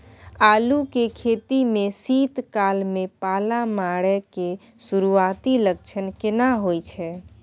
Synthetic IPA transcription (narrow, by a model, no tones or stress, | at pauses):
alukekʰet̪imesit̪kalmepalamaɽɛke | suɾuat̪iləkt͡ʃʰənkenaɦojt͡ʃʰɛ